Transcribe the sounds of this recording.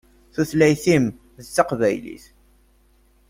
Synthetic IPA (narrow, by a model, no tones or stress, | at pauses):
θuθlæjθim | ðət͡sːɑqvæjlḭθ